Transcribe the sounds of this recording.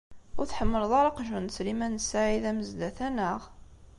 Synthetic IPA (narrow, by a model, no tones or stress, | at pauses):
ʊɾθħəmːəɾðˤɑɾɑqʒənt͡sːlimænsaʕiðæməzd̪æθænəʁ